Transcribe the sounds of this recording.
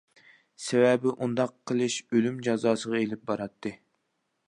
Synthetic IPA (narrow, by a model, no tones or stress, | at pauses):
sɛwɛbɪʔund̪ɑqʰːəlˠɨʃølymd͡ʒɑzɑːsəʁɑelɪp̚bɑɾɑt̪ʰːɨ